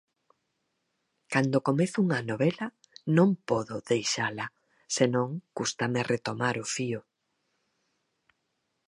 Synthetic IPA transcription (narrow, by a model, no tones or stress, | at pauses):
kand̪okomeθʊuŋanoβ̞ela | nõŋpɔðʊðejʃala | senõŋkust̪ameret̪omaɾʊfiʊ